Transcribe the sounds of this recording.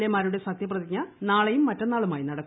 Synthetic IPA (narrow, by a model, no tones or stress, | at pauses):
lemaːɾuɽe̞sɐk̚t̪ʰjɐp̬rɐðikːanaːɭejumːɐtːɐnːaːɭumaːjinɐɽɐkː